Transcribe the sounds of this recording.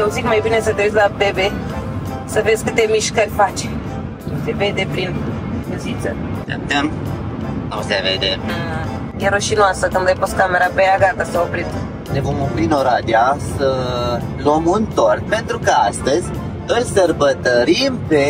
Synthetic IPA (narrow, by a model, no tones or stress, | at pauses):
jewzikmajbinesət̪eɾesʲlapeve | səvezsʲkɨt̪e̞miʃkərʲfat͡ʃe | oseve̞d̪epɾin | puzit̪sə̰ | sa̰pt̪em | asevḛd̪e | jeɾəʃinoasəkɨnd̪ajpost̪kameɾapeaɡat̪əsaopɾit̪ | ne̞vo̞mopɾinoɾad̪iasə | lomɨnt̪ort̪̚pe̞nt̪ɾukəast̪əzʲ | ɨlsərbət̪əɾimpe